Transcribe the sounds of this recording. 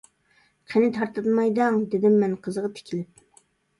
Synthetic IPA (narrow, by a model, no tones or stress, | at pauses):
qʰenɪt̪ʰɑɾt̪ɨt̪mɑjd̪ɑŋd̪ɪd̪ɪmːɛnqʰəzəʁɑt̪ʰɪ̥kʲʰilɪp̚